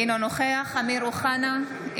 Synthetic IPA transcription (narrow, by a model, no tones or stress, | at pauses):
inonoχeaχamiɾuχana